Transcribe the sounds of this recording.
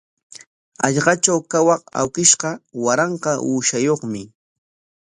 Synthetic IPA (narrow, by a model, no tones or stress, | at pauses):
ɑʎɢɑt͡ʃawkawɑqa̰wkɪʃɢɑwaɾɑɴqɑʔuːʃajoχmɪ